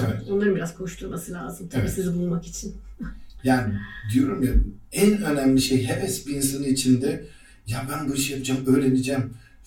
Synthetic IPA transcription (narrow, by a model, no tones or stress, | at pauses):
eɛt̪o̞nlˠaɾɯnbiɾaz̥kʰo̞ʃlʰˠuɾmasɯlʲa̰ːzɯmt̪ʰaiːsizibulˠlˠmakit͡ʃʰinjaːnid̪ijo̞ɾumjad̪mænø̞næmlʲiʃejɦepɛsbiːns̬anɯnit͡ʃʰind̪ɛ | jabænbuiʃɯjapʰɯd͡ʒamø̞ːɾe̞nid͡ʒæm